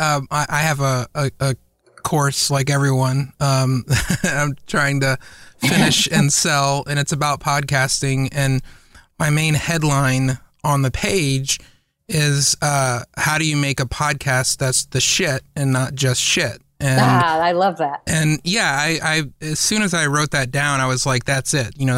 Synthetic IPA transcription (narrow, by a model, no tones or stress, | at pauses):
ʌ̃maɪʔaɪɨvəəə | kʰɔɹslaɪkɛvɹiwʌ̃nʌ̃mɾãɪ̃mtʰɹ̥aɪɪ̃ŋtɨfɪ̃nɪʃɨ̃nsɛlˠɨ̃ñɨtsɨbaʊt̚pʰɑd̚kʰæstɪ̃ŋɨ̃nmaɪmẽɪ̃nhɛdˡlãɪ̃nə̃nðɨpʰeɪd͡ʒ | ɪz̥ʌhaʊɾɨjɨmeɪkɨpʰɑd̚kʰæst̪̚ðætsðɨʃɪɾɨ̃nːət̚d̥ʒ̥ʌstʃɪt̚ | ʔɨ̃naɪlʌvðæt̚ɨ̃njæaɪʔaɪɨz̥sʉ̃ñɨzaɪɹoʊt̪̚ðɨt̚d̥ãʊ̃ñaɪwʌzlaɪk̚ðætsɪt̚jɨñoʊ